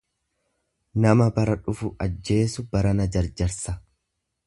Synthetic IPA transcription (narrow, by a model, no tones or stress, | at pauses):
nɐmɐbɐɾɐᶑʊfʊʔɐd͡ʒːe̞ːsʊbɐɾɐnɐd͡ʒɐɾd͡ʒɐɾsɐ